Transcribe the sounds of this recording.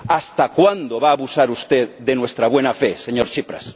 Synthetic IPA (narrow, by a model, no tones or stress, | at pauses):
ast̪akwand̪oβaːβusaɾust̪eðd̪enwest̪ɾaβwenafeseɲoɾʃipɾa̰s